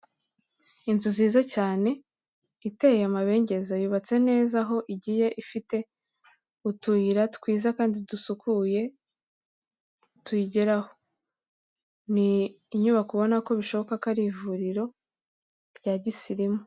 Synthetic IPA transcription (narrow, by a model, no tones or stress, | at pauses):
inzuziːzacaːne̞ | itejamaβe̞ːɲɟe̞zajuβat͡se̞ne̞ːzaɦo̞ʔiɟiːje̞ʔifite̞ | utujiɾatkwiːzakaːndidusukuje̞ | tuiɟe̞ɾaho̞̥ | niː | ɲuβakuβo̞nako̞βiʃo̞βo̞kakaɾivuɾiɾo̞ | ɾɟaːɟisiɾimo